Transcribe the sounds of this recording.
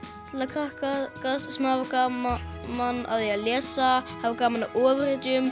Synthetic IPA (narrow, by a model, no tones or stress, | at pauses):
t̪ʰlakʰɾahkakasːɛmhavakamanːa̰wðɛjalɛːsahavakaːmanaʔɔːvɪrɪt̪ʏm